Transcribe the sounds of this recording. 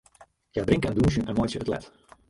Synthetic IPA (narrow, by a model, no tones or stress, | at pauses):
jaːdrɪŋkənduːs̬ənʔɛnmɔjsjəətlɛ̰t